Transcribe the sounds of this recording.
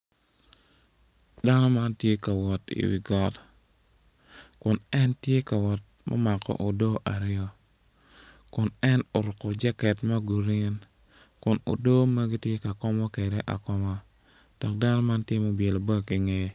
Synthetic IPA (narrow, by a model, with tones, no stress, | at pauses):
da˦nɔ˦ma˦ntje˦ka˨wɔ˨tḭ˨wḭ˨ɡɔ˦t | kʊ˨nɛ˦ntje˦ka˨wɔ˨t̚mɔ̰˦ma˨kʰɔ̰˨ʔo˨do˦ʔa˨ɾɪjɔ˦ | kʊ˨nɛ˦no˨ɾʊ˨kɔ˨d͡ʒɛ˦kɛ˨tma˦ɡu˨ɾi˦n | kʊ˨no̰˨do˦ma˦ɡi˦tje˦ka˨kɔ˦mɔ˦ke˨de˦ʔa̰˨kɔ˦mɔ˦ | d̥ɔ˨k̚da˦nɔ˦ma˦ntjɪe˦mo˦bje˨lo˨bə˦ki˨ŋe˨